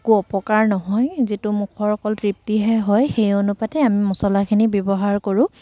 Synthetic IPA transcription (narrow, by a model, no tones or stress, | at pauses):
kuɔpɔkaɹnɔɦɔjzitumukʰɔɹɔkɔlpɹip̚tiɦɛɦɔjxejɔnupatɛamimɔsɔlakʰinibjɔbɔɦaɹkoɹʊ̃